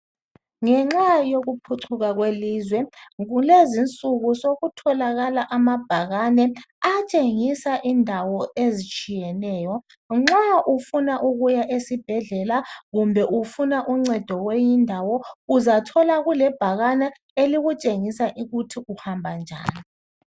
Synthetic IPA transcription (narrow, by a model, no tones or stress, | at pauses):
ŋɛŋ͡ǁajoɣupʰuǀʰuɣaɣwelizwɛɣulezint͡sʼuɣusoɣutʰɔlaɣalaʔamab̥ʱaɣanɛat͡ʃʼeŋisaʔindʱawɔezit͡ʃʼijɛnɛːjɔ | ŋ͡ǁaʔufunaʔuɣujaʔesib̥ʱɛɮɛlaɣumbʱɛʔufunaʔuŋ͡ǀɛd̥ʱɔwejindʱawɔuzatʰɔlaɣulɛb̥ʱaɣanɛ | eliɣut͡ʃʼeŋisaʔiɣutʰiʔuhambʱand͡ʒʱa̰ːni